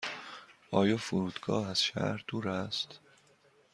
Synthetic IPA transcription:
ɒːjɒːfuɾuːd̪̥ɡɒːhæz̥ʃæ̰ːɾd̪̥uːɾæst̪

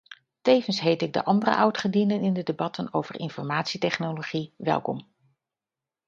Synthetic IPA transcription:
tejvənsɦejtɪɡ̚də̰ʔɑndərə̰ʔɑwtχədinənɪndədebɑtənowv̥ərʔɪnfɔɹmaːtsitɛχnoloχiʋɛ̰lˠkɔ̰m

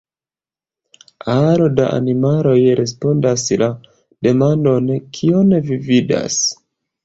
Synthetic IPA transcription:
aɾo̞daʔa̰nimalo̞jɾʔe̞s̬po̞ndasla | d̥e̞mando̞nkʰio̞nvivida̰s

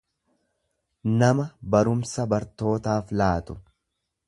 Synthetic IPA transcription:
nɐmɐbɐɾʊmsɐbɐɾt̪o̞ːt̪aːflaːt̪ʊ̥

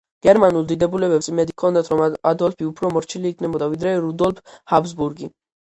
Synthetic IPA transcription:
ɡ̥ɛɾmanulˠd̪id̪ɛbulɛbɛpsimɛd̪ikʰɔnd̪at̪ʰɾɔmad̪ɔlpʰiupʰɾɔmɔɾt͡ʃʰiliːkʰnɛbɔd̪avid̪ɾɛɾud̪ɔlpʰhabzbuɾɡi

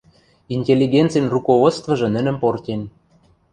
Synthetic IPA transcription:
inʲtʲelʲːiɡʲent̪t͡sɨjnrukovot̪t͡st̪vɤ̆ʒɤ̆nə̆nə̆mport̪ʲen

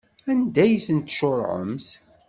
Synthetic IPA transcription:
ænd̪æjθənt̪ʃoɾˤʕə̰mθ

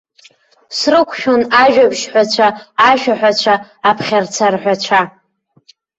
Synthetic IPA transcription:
srɨkʷʰʃᶣonaʒᶣabʃħʷᶣat͡ɕʷʰaːʃᶣaħʷᶣat͡ɕʷʰaːpʰχʲart͡sʰarħʷᶣat͡ʃʷʰa

